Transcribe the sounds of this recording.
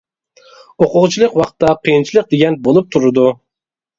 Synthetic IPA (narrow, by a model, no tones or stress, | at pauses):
oqʊʁt͡ʃʰilˠəqwɑqt̪ːɑqʰijɨnt͡ʃʰilˠɨq̚d̪eɡʲɛnbolˠup̚t̪ʰuɾɨd̪u